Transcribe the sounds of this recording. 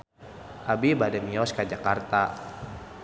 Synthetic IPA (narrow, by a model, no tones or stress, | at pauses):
ʔabibadɛmiɔskad͡ʒakart̪a